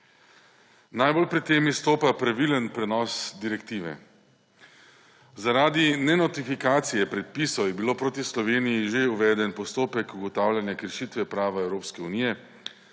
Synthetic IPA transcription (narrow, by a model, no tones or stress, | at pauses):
najbolpɾɛt̪ːeːmist̪oːpapɾaʋilənpɾɛnɔːsd̪iɾɛkt̪iːʋɛ̰ | zaɾaːd̪inɛnɔt̪ifikaːt̪sijɛpɾɛt̪̚pisɔjɛbiloːpɾoːt̪islɔʋeːnijiʒeuʋɛːd̪ɛnpɔst̪oːpɛkuɡɔt̪aːwlʲjanjakəɾʃit̪ʋɛpɾaːʋaɛwɾoːpskɛuniːjɛ